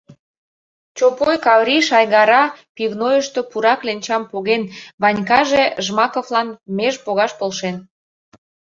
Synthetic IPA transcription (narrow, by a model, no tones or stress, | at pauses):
t͡ɕopojkɑβɾʲiʃɑjɣɑɾɑpivnojəʃt̪o̽puɾɑklenʲt͡ɕɑmpoɣenβɑnʲkɑʒeʒmɑkoflɑnmeʒpoɣɑʃpolʃen